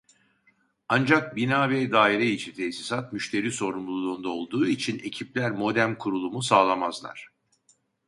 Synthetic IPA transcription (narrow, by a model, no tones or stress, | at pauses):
and͡ʒak̚binaːvɛd̪aːiɾɛit͡ʃʰint̪ʰesisat̪̚myʃt̪ʰe̞ɾiːso̞ɾumlˠulˠuːnd̪ao̞lˠd̪uːit͡ʃʰine̞̰cʰiplʲæɾmo̞d̪æmkʰuɾulˠumusaːlˠamazlˠa̰ɾ̥